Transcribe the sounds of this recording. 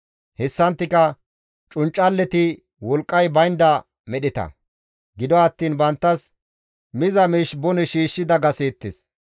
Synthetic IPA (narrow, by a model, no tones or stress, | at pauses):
hɛsːɐnt̪ːɪkɐ | t͡ʃʼʊnt͡ʃʼːɐlːɛt̪ɪ | wɔlkʼːɐjbɐjnd̪ɐ | mɛɗɪt̪ɐ̰ | ɡɪd̪ɔɐt̪ːiːnbɐnt̪ːɐs | mɪzɐmiːʃbɔnɛʃiːʃːɪd̪ɐɡɐseːt̪ːɪs